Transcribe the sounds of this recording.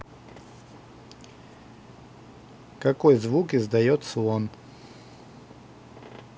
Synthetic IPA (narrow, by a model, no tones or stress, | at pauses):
kɐkojzvukɪzd̪ɐjot̪səon